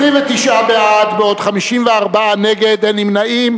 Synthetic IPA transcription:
ʁimvet̪iʃʔabeʔad̪beo̞dχamiʃimveaʁbaaneɡed̪animnaʔim

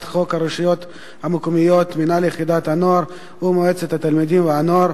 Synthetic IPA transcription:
t̪χo̞khaɾoʃijo̞t̪ | hamokumijo̞t̪minalejeχid̪at̪anoaɾ | umoet͡set̪hat̪almid̪imveanoaɾ

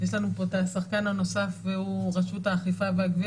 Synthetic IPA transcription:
jeʃlanupotasaχkanhano̞safveuʁaʃutaːχifaveaɡvi

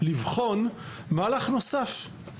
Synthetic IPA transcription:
livχo̞n | maːlaχno̞saf

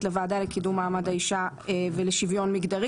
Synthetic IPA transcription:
tlevaːdalekidumːaːmadaiʃaveleʃivjo̞nmiɡdaʁi

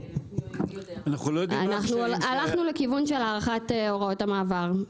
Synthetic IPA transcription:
anaχulojdianaχnulalaχnulekivunʃelaːʁaχateo̞ʁao̞tamaːvaʁ

